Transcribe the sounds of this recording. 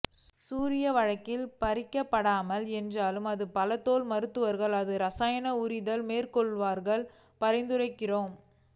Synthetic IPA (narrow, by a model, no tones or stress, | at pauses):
suːɾɪjɐʋɐɻɐkːɪlpɐɾɪkːɐpːɐɽaːmɐlɛndraːlɯmɐðɯpɐlɐt̪ːoːlmɐɾɯt̪ːɯʋɐɾɣɐɭɐðɯɾɐsaːjɐnɐʊɾɪðɐlmeːrkɔɭʋaːɾɣɐɭ | pɐɾɐɪnd̪ɯrɐɪkːɪroːm